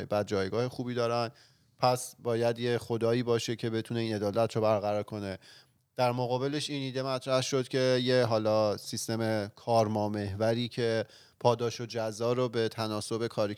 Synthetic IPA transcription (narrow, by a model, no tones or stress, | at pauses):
ebæd̪̚d͡ʒɒːjɡɒːhe̞xuːbiːd̪ɒːɾæn | pʰæsbɒːjæd̪jexo̞d̪ɒːiːbɒːʃe̞cʰe̞be̞t̪ʰune̞iːne̞d̪ɒːlæt̪ʰɾobæɾɣæɾɒːɾkʰo̞ne̞ | d̪̥æɾmoɣɒːbe̞leʃiːniːd̪e̞mæt̪ʰɾæhʃo̞d̪̥cʰe̞jeɦɒːlɒːsist̪e̞mekʰɒːɾmɒːme̞ɦvæɾiːcʰe̞ | pʰɒːd̪ɒːʃo̞d͡ʒæzːɒːɾobe̞t̪ʰænɒːso̞be̞kʰɒːɾi